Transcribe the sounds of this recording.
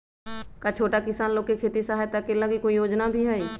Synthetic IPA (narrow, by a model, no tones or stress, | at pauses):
kat͡ʃʰoːʈakɪsaːnloːɡ̚kekʰeːt̪isaɦaːjt̪akeləɡikoːijoːd͡ʒnabʱiɦɛiː